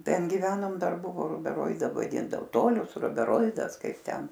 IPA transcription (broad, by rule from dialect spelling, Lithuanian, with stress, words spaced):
ˈtʲɛn ɡʲɪˈʋʲæːnoːm ˈdɐr ˈbʊʋoː rʊbʲɛˈroːɪdɐ ʋɐˈdʲɪndɐʋoː ˈtoːlʲʊs rʊbʲɛˈroːɪdɐs ˈkɐɪp ˈtʲɛn